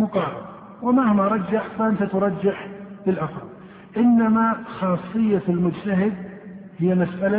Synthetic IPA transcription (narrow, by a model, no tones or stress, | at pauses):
mʊqɑːɾˤɑ̰l | wɪmahmaɾˤɑd͡ʒːaħfaʔɪnt̪at̪ɾˤɑd͡ʒːɪħbɪlʔɑθɑɾˤ | ʔɪnːamaxɑːsˤːɨjːafɪlmʊd͡ʒt̪aɦɪd̪̚hɪjːamasʔala